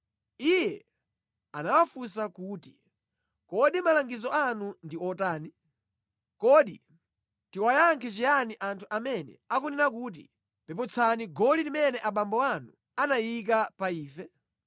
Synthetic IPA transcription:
ijɛ | anawafus̬akuːti | kɔɗimalaŋɡizɔanundiɔtaːni | kɔɗḭ | tiwajaŋkʰɛt͡ʃijaniʔantʰuamɛnɛ̰akuninakuːt̬ḭ | pɛpɔt͡sʰaniɡɔlilimɛnɛʔaɓambɔanu | anajik̬apaiːfɛ

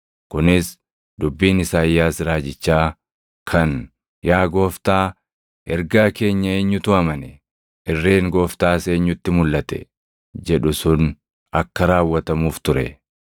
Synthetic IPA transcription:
kʊnɪs | d̪ʊbːiːnɪsaːjːaːsɾaːd͡ʒɪt͡ʃːaː | kʰɐn | jaːɡo̞ːft̪aː | ɛɾɡaːke̞ːɲːɐeːɲːʊt̪ʊɐmɐnɛ | ɪrːe̞ːŋɡo̞ːft̪aːseːɲːʊt̪ːɪmʊlːɐt̪ɛ̰ | d͡ʒɛᶑʊsʊn | ɐkːɐɾaːwːɐt̪ɐmuːft̪ʊɾɛ

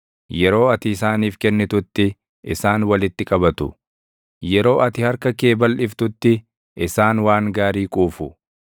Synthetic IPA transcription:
jɛɾo̞ːɐt̪ɪːsaːniːfkɛnːɪt̪ʊt̪ːɪ | ʔɪsaːnwɐlɪt̪ːɪkʼɐbɐt̪ʊ̰ | jɛɾo̞ːʔɐt̪ɪhɐɾkɐke̞ːbɐlʔɪft̪ʊt̪ːɪ | ʔɪsaːnwaːŋɡaːɾiːkʼuːfʊ

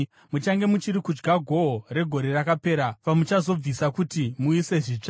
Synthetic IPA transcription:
mut͡ʃaŋɡe̞mut͡ʃiɾikud͡ʒɡaɡʱwoore̞ɡʱo̞ɾe̞rakape̞ːɾapamut͡ʃazo̞b͡visakutimuise̞ʐiːt͡ʂa

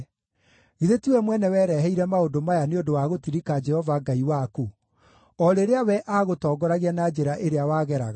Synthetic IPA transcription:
ɣiðetiwɛmwɛnɛwɛːɾɛɦɛiɾɛmaodomajaneondowaɣotiɾikad͡ʒɛhɔvaɡaiwaku | ɔɾeɾeawɛʔaɣotɔːɡɔɾaɣianad͡ʒeɾaʔeɾeawaɣɛɾa̰ɣa

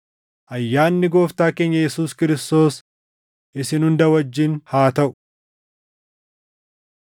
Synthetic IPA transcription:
ʔɐjːaːnːɪɡo̞ːft̪aːkeːɲːɐjɛsuːskɪɾɪst̪o̞ːs | ʔɪsɪnhʊnd̪ɐwɐd͡ʒːɪnhaːt̪ɐʔʊ̥

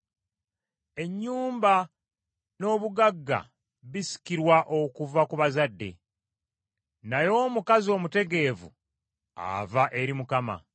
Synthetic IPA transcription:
e̞ɲːuːmba | no̞ːβuɡaɡːa̰ | βisi̥kiɾwaʔo̞kuvakuβazadːe̞̰ | najo̞ːmukazio̞ːmute̞ɡe̞vṵ | a̰vaʔe̞ɾimukama̰

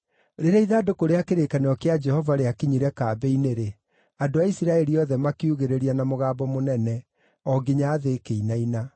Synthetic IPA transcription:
ɾeɾaiðadokoɾeakeɾekaneɔkead͡ʒɛhɔvaɾeakiɲiɾɛkaːbɛineɾe | adoaisiɾaɛɾiɔðɛmakiuɣeɾeɾianamoɣaːbɔmonɛnɛ | ɔɡiɲaːðekeinaina

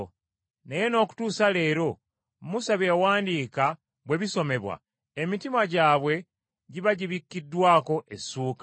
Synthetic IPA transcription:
neje̞no̞ːku̥tuːsale̞ːɾo̞ | musaβjewaːndiːka | βwe̞βiso̞me̞βwa̰ | emitimaɟaːβwe̞ | ɟiβaɟiβikːidːwaːko̞ʔesːuːkḁ

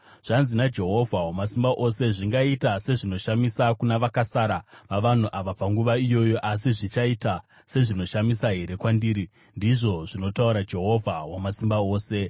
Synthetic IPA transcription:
ʐ̥anzinad͡ʒe̞ɦo̞vʱawamasimbaʔo̞se̞ʐiŋɡaitase̞ʐino̞ʃamisakunaʋakasaɾaʋaʋan̤uʔaʋapaŋɡuʋaijo̞jo̞ʔasiʐit͡ʃaita | se̞ʐino̞ʃamisaɦe̞ɾe̞kwandiːɾi | ndiʐo̞ʐino̞tauɾad͡ʒe̞ɦo̞vʱawamasimbao̞ːse̞

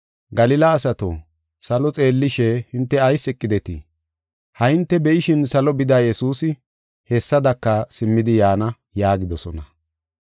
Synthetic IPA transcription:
ɡɐlɪlɐːsɐt̪o̰ | sɐlɔt͡sʼe̞ːlːɪʃɛhɪnt̪ːɛɐjsɛkʼːɪd̪ɛt̪ɪ̰ | hɐɪnt̪ːɛbɛʔɪʃɪnsɐlɔbɪd̪ɐjjɛsuːsɪ | hɛsːɐd̪ɐkːɐsɪmːɪd̪ɪjaːnɐ | jaːɡɪd̪ɔsɔ̰nɐ

